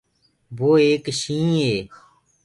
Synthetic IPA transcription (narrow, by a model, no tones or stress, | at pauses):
boːeːkʃĩːɦeː